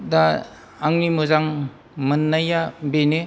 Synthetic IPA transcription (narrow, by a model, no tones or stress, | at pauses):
daː | ŋnimuzaŋ | mɯnːajabene